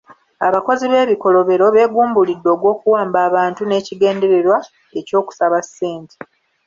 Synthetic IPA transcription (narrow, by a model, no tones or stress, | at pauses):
aβako̞ziβe̞ːβiko̞lo̞βe̞ɾo̞βe̞ːɡuːmbulidːo̞ːɡwo̞ːkuwaːmbaːβaːntune̞ːciɡe̞ːnde̞ɾe̞ɾwa | e̞co̞ːku̥saβasːeːnti̥